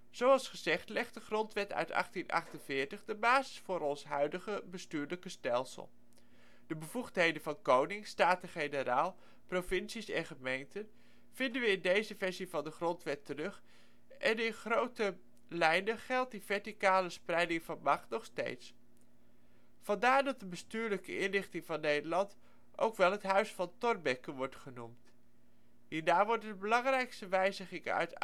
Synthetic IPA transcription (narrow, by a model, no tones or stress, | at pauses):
z̥owɑlˠsχəzɛχtlɛχt̚dəχrɔntʋɛtʰœ̰ɥtɑ̰χtinʔɑ̰χtənvɪːɹtəχdəbaːzɪ̥sfʊːɾɔnsɦœɥdəχəbəstyːɹləkəstɛlˠsə̰lˠ | d̥əbəvuχtɦejdənvɑnkownɪŋstaːtəχejnəɾaːlˠ | profɪnsisɛ̰nχəmejntən | v̥ɪndənʋəɪndejzəvɛɹzivɑndəχrɔntʋɛtərɵχ | ʔɛnɪnχrowtə | lɛjndəχɛlˠt̚divɛɹtikaːləsprɛjdɪŋvɑnmɑχtnɔχstḛjts | fɑndaːɹdɑt̚dəbəstyːɹləkəɪnlɪχtɪŋvɑnːejdəlɑnt | ʔo̰wkʋɛlˠɦətɦœɥsfɑntɔrbɛkənʋɔɹtχənumt | ɦiːnaːʋɔɹtəbəlɑŋrɛjkstəʋɛjzəχɪŋœ̰ɥt